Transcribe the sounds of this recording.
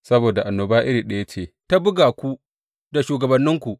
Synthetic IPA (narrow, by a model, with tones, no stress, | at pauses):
sɐ˦boː˨da˨ʔa˨nːoː˨baː˦ʔɪ˦ɾiː˨ɗɐ˦je˦t͡ʃeː˨ta˦bʊ˦ɡaː˨kʷu˦ | da˨ʃuː˨ɡɐ˨bɐ˨nːɪ˦ŋkʷu˨ʔ